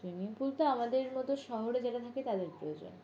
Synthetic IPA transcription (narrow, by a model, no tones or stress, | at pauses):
inipult̪oamad̪eɾmɔt̪oʃɔɦoɾed͡ʑaeʈat̪ʰaket̪ad̪eɾpɾoed͡ʑo̰n